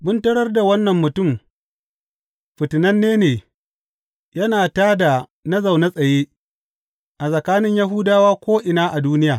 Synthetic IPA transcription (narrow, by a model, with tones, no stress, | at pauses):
bʊ˦ntɐ˦ɽɐ˦rda˨wɐ˦nːɐ˨mːʊ˨tʊ˦˨m | ɸɪ˨tɪ˨nɐ˦nːeː˦neː˨ | jɐ˦naː˨taː˦da˨nɐ˦za˨wna˦sʼɐ˨jeː˦ | ʔa˨sʼɐ˨kaː˦nɪ˦ɲja˦ɦʊ˦daː˦waː˦kʷoː˦ʔɪ˨naː˦ʔa˨duː˦nɪ˦jaː˨